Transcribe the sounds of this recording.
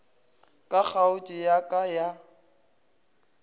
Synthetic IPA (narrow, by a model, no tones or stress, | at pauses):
kʼak͡xʰaʊt͡ʃʼɪjakʼaja